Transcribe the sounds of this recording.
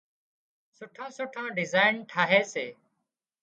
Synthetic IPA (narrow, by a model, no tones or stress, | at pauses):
sʊʈʰãːsʊːʈʰãːɖɪzaːɪnʈʰaːɦeːsḛː